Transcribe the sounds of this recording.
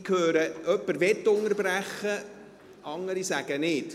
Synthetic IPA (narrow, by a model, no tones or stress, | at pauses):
kʰhøːɾəœpːəɾʋɛtːʊŋəɾbræχːə | ʔɑŋəɾisæɡ̥ənɪd̥